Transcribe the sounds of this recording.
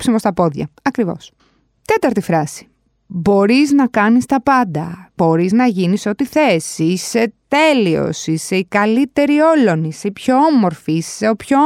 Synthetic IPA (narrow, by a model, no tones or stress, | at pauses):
psimo̞st̪ɐpo̞ðʝɐ̰ɐkɾivo̞̰s | t̪e̞t̪ɐɾt̪ifɾɐsi̥ | bo̞ɾiznɐkɐnist̪ɐpɐnd̪ɐb̥o̞ɾiznɐʝiniso̞t̪iθe̞siset̪e̞lio̞̰siseikɐlit̪e̞ɾio̞lo̞niseipço̞omo̞ɾfiisseopço